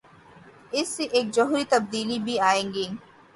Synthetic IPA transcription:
ɪsːeʔeːk̚d͡ʒoɦɾit̪ɐb̚d̪iːlibʱiaːẽːŋɡiː

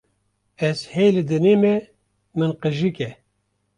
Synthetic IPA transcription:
ɛzhejlɨd̪ɨneːmɛ | mɨnqɨʒɨkɛ

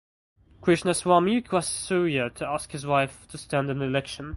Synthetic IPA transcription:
kʰɹ̥ɪʃnəswɑmjʉkʰwassʉɹiətʰəaskhɨzwaɪftʰəstæ̃ndɨ̃nðiɪlɛkʃə̃n

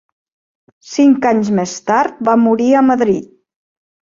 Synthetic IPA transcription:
siŋkaɲzmest̪aɾt̪̚bamuɾiəməðɾit̪̚

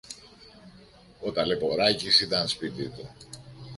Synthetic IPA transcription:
ot̪ɐlepoɾɐcisit̪ɐnspit̪it̪u

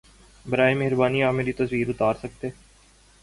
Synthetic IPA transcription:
bɐɾaːemeɦɾbaːniaːmeːɾit̪ɐswiːɾʊt̪aːɾsɐk̚t̪eː

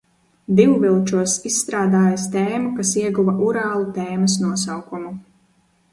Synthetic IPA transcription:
d̪iwvilˠt͡ʃuɔsisːt̪ɾaːd̪aːjast̪ɛːmukasiɛɡuvaʔuɾaːlˠut̪ɛːmɐsnuɔsawkumu

